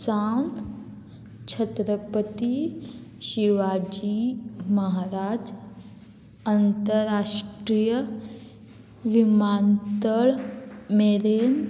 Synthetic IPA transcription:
saːn | t͡ʃʰət̪ɾəpət̪iʃiʋaːd͡ʒimɐɦaːɾaːd͡ʒ | ənt̪əɾaːʃʈɾijə | ʋimaːnt̪əɭmeːɾeːn

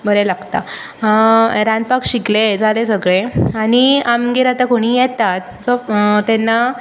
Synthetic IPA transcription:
bʱəɾelaɡt̪a | ɾãnd̪̚pakɕikled͡zalesəɡɭeaɽ̃iamɡeɾat̪akoɽ̃iːjɛt̪at̪ | d͡zɔt̪ɛnːa

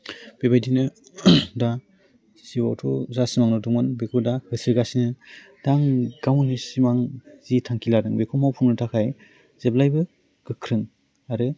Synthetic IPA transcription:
b̥ebajdinɯ | da | siwawtʰɔzasimaŋnɔduŋmɯnbekʰudahɯsiɾɡasinɯ | d̥aŋɡ̥awnɯsimaŋz̥itʰaŋkʰiladɯŋbekʰumawpʰuŋnɯtʰakʰaj | z̥eblajbɯ | ɡ̥ɯkʰɾɯŋ | aɾɯ

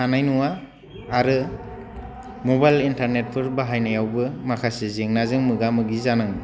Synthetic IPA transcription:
anajnuwaː | ɾɯ | mobajlintaɾnet̚pʰɯɾbaɦajnajawbɯmakʰasezeŋnazɯŋmɯɡamɯɡizanɯŋ

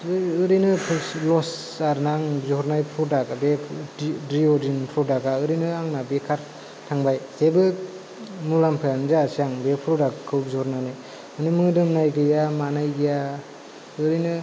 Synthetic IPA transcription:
ɯɾinɯpʰlɔs | aɾnaŋbzɔɾnajpʰɾudaɡabe | dɾiɔdinpʰɾudaɡaɯɾɯjnɯaŋnabekʰaɾ | tʰaŋbajsebɯ | mulampʰɯjanzasijaŋbepʰɾɔdakkʰɯwbzɔɾnanɯ | mɯnɯmɯdɯmnajɡɯjamanajɡija | ɯɾɯnɯ

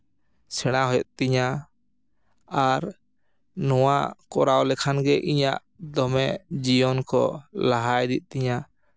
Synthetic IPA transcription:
sɛɽ̃aɦɔjɔt̪̚t̪iɲa | aɾ | nɔwakɔɾawlɛkʰanɡɛʔiɲa̰ʔ | d̪ɔmɛd͡ʒijɔnkɔ̰laɦajd̪it̪̚ˀt̪iɲa

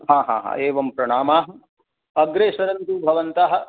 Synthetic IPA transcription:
ɦãːɦã̰ːɦã̰ːeːʋɐmpɾɐɳaːmaːɦɐ | ɐɡɾeːʃɐɾɐnt̪uːbʱɐʋɐnt̪aːɦɐ̆

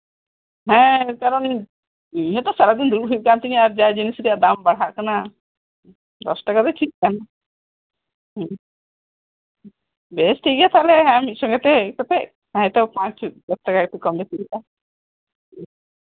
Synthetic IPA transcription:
ɦɛ̃kaɾɔn | iɦɛt̪ɔsaɾad̪ind̪ɾuɾɦib̚kant̪iniaɾd͡ʒajd͡ʒinisɾiad̪ambaɽ̤aʔkana | d̪ɔsʈakad̪eʈʰik̚kana | besʈʰiɡjat̪ʰaleɦɛ̃amiʃɔŋɡet̪et̪ɔp̪e | hãɛt̪ɔpãt͡ʃɡɔsʈakak̚t̪ʰikɔmdet̪iiʔa

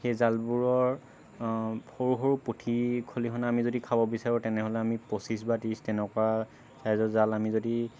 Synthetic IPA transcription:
xejzalbuɹɔɹ | xoɹuxoɹupotʰikʰolikʰɔnaamizodikʰabɔbisaɹutɛnɛɦɔlɛamiposis̬batistɛnɛkɔa | sajzɔzalamizodi

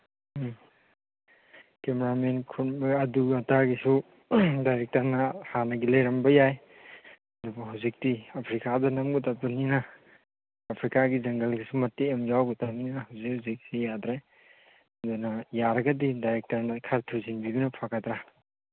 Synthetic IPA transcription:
kemeɾamenkʰutbɐduɡataɡisu | dajɾek̚tɐɾnɐhanɐɡilɐjɾɐmbɐjaj | ɐdubɐɦawzik̚tiɐpʰɾikadɐnɐmɡutapuninɐː | pʰɾikaɡizɐŋɡɐlɡisumɐtːeemjawɡutamninɐɦawzik̚hazik̚sijadɾaj | ɐdunɐjaɾɐɡɐdidajɾek̚tɐɾnɐkʰaɾtʰuɾzinbibinɐpʰakat̪ɾa

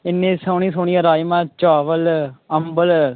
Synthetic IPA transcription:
ɪnːẽːsəːɳ̃iːsoːɳijaːɾaːjmãːt͡ʃaːʋələmbəl

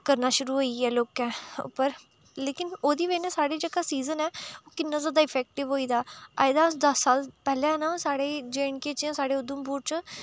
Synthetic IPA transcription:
kəɾnaːʃʊɾuːɦoːiːɛːloːkɛ̃ːʊ̰pːəɾ | leːkɪnoːd̪iːʋeːnɛ̃ːsaːɽeːd͡ʒəkaːsiːzənɛːoːkɪnːãːzaːd̪aːɪpʰɛːk̚ʈɪʋɦoːiːd̪aːa̰ːɪd̪aːd̪əsːaːlpɛːlẽːɛːnãːsaːɽeːd͡ʒeːɪɳkeːt͡ʃãːsaːɽeːʊd̪ʊmbuːɾt͡ʃ

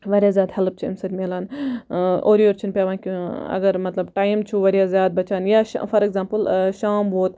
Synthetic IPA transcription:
ʋɐɾjaːzjaːd̪hɐlp̚t͡ʃʰiɐ̰msɐɾʲmeːlaːn | ʔo̰ːɾijoːɾt͡ʃʰinpʲaːʋaːnkʲiɐ̰ɡɐɾmɐt̪lɐbʈaːjmt͡ʃʰuʋɐɾjaːzjaːd̪̚bɐt͡ʃaːnjaːʃfɐɾeɡzãːmpɨlʃaːmʋoːt̪

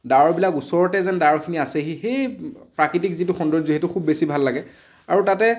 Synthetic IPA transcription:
dawɔɹbilakusɔɹɔtɛzɛndaɔɹkʰiniasɛɦixejpɹakitikzitʊxɔndɔɹziɦɛtʊxʰubːesibʱalːaɡɛ | aɹutatɛ

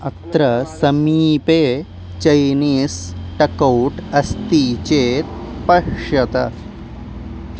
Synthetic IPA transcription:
ɐt̪ɾɐsɐmiːpeː | t͡ʃɐjniːsʈɐkɐwʈɐst̪iːt͡ʃeːt̪̚ | pɐkʂɐt̪ɐ̰

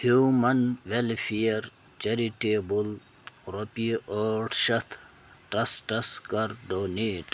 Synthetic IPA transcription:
hjuːmɐnʋelfiɐɾ | t͡ʃeɾiʈeːbul | ɾopioʈʃɐt̪ʰ | ʈɐsʈɐskɐɾɖoːniːʈ

